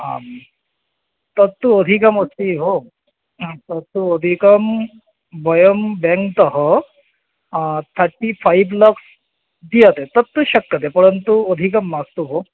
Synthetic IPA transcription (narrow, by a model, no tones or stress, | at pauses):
am | t̪əɾt̪ːuəd̪ʱikəməst̪iɦo | t̪əɾt̪ːuəd̪ʱikəm | bəjəmbɛŋkt̪əɦə | t̪ʰaʈifaibləks | d̪ijət̪et̪əɾt̪ːuɕɐkːət̪epəɽənt̪uəd̪ʱikəmːaɡt̪uɦo